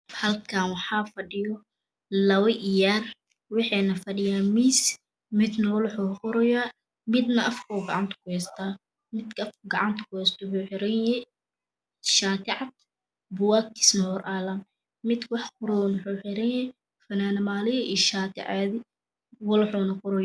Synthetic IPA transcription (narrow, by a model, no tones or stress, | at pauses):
hɐlkʰaːnwɑħɑːfɐɖɪjɔ | lɐwɐʔɪjaːr | wɪħɛːnɐfɐɖɪjaːmiːs | mɪd̪nɐwɔlħuqʊɾɔjaː | mɪd̪nɐʔɐfkʰɔːɡɑʕɑnt̪ʰɐ̥kʰʊhɛst̪ʰaː | mɪd̪kʰɐfkʰɡɑʕɑnt̪ʰɐ̥kʊhɛst̪ʰɔħuːħɪɾɛnɛ | ʃaːt̪ʰɪʕɑd̪ | bʊwaːkɪ̥smɐhɔrʔaːlɐn | mɪd̪wɑħqʊɾɔnʊħuːħɪɾɛjɛ | fɐnaːnɐmaːlɪjɐʔiʃaːt̪ʰɪ̰ʕɑði | wɔlħuːnɐqʊɾɔj